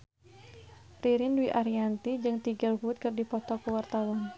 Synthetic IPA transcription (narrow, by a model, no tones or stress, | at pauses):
pɾiɾɪndwiʔaɾiant̪id͡ʒɨŋt̪iɡalvut̪̚kɨrdipɔt̪ɔkuwart̪awɔn